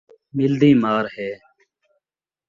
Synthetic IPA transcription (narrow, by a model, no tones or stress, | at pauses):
mɪld̪iːmaːɾhɛː